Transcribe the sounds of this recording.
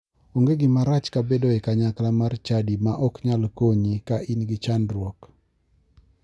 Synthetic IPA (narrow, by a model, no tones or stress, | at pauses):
oŋɡeɡɪmaɾat͡ʃkabedoɛkaɲaklamart͡ʃadimaʔɔkɲalkoɲikaʔinɡɪt͡ʃandɾwɔk